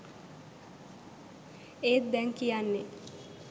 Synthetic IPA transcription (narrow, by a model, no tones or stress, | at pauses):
eːt̪̚d̪ɛŋkijanːe